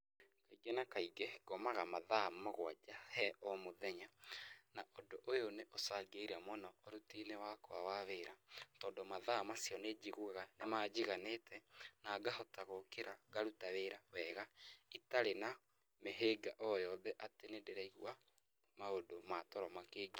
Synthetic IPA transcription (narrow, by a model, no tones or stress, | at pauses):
kaiɡenakaiɡeɡ̥ɔmaɣamaðamoɣwad͡ʒahɛʔɔmoðɛɲanaʔodoʔojoneʔosaɡeiɾamɔnɔːɾutinewakoawaβeːɾatɔːndomaðamasiɔned͡ʒiɣwaɣanemad͡ʒiɣanetɛnaːɡahɔtaɣokeɾaɡaɾutaβeɾawɛɣaitaɾena | meɦeɡaʔɔjɔðɛʔatenedeɾaiɣwa | maodomatɔɾɔmakeːɡi